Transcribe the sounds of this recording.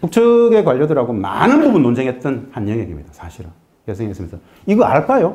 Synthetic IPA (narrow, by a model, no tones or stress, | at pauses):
puk̚t͡ɕʰɯɡe̞kwaʎːʌdɯɾaɡoma̰nɯnbubunːond͡ʑʰeŋɦet̚t͈ʌnhanjʌŋɦeɡimɲid̥asʰaɕʰiɾɯ | kesʰeŋɦes͈ɯmjnsʰa | iɡʌa̰ɭk͈ajo